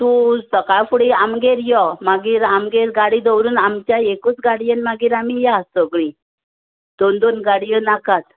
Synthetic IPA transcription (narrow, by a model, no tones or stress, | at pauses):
t̪ũsəkajfuɽiamɡeɾjɔmaɡiːɾamɡeɾɡaɽid̪əwɾuːnamt͡ɕjaekut͡sɡaɽijənmaɡiːɾamijasəɡɭi | d̪̥ond̪onɡaɽijənakat̪